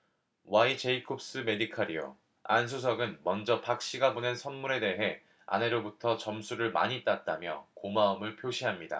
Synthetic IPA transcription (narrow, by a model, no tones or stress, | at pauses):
wait͡ɕe̞ikʰop̚s͈ɯme̞dɯkʰaɾio̰ | a̰ns̬ʰus̬ʰʌɡɯnmʌnd͡ʑʌpak̚ɕ͈iɡabonensʰʌnmːuɾe̞de̞ɦe̞ | a̰ne̞ɾobutʰʌt͡ɕʌmsʰuɾɯɭma̰ɲit͈at̚t͈amjʌ̰komaɯmɯɭpʰjoɕʰiɦamɲida̰